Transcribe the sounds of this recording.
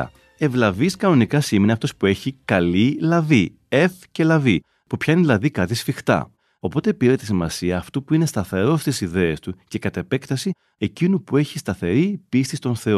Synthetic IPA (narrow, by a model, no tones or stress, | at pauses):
e̞vlɐviskɐno̞nikɐsimneɐft̪o̞spue̞çikɐlilɐvi | e̞fce̞lɐvi | pupçɐinelɐðikɐt̪isfixt̪ɐ̰ | o̞po̞t̪e̞piɾet̪isimɐsiɐːft̪upuine̞st̪ɐθe̞ɾo̞st̪isiðe̞est̪uce̞kɐt̪e̞pe̞kt̪ɐsi | e̞cinupue̞çist̪ɐθe̞ɾipist̪ist̪o̞nθe̞o